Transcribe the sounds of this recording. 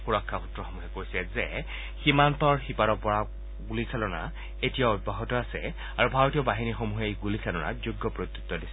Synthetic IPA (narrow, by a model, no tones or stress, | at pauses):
xuɹɔkʰːautɹɔxɔmuɦɛkojsɛzɛ | ximant̪ɔɹxipaɾɔpɔɹa | ɡulisʰalɔna̰ | etijaobʱaɦɔtɔasɛ̰ | aɹubʱaɹotijɔbaɦinixomuɦejɡulisalɔna̰zuɡːɔpɹot̪ːu̥t̪ːɔdisɛ